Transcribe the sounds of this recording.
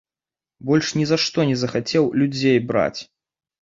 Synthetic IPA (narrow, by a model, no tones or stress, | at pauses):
bɔlʲʂnʲɛzaʂt̪ɔnʲɛzɐxat͡sʲɛwlʲud͡zʲejbɾa̰t͡sʲ